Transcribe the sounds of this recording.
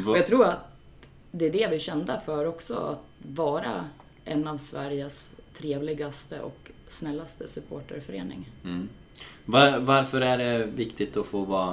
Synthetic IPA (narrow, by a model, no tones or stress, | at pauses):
ɔjɑɡt̪ʰɾuːɾat̪ | d̪ɛːɖɛvɪɕɛnd̪əfœːɾɔksɔ̰a̰t̪vɑːɾa̰ | ʔɛnːavsvæɾjəst̪ʰɾeːvlɪɡast̪ə̰ʔɔ̰k | snɛlːast̪əsɵpʰoːʈə̰ɾfœɾḛːnɪ̰ŋ | vavaɾfœɾæɖɛvɪkt̪ɪt̪ɔfoːvɑː